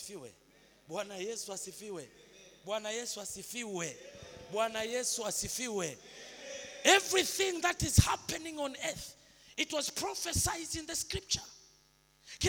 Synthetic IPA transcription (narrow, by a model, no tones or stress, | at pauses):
fiwɛ̰ | ɓwanajɛsuasifiwɛɓwanajɛsuasifiwɛɓwanajɛsuasifiwɛ | ɛvɹiθĩŋðatizhapɛnĩŋɔ̃nɛθ | itwɔzpʰɹɔfɛsajzdĩnðəskɹip̚t͡ʃə | k